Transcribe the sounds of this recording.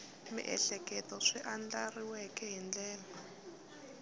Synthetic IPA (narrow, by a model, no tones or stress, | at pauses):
mḭʔɛ̰ɬɛkɛtɔʂiʔand͡ɮariwɛkɛɦind͡ɮɛːla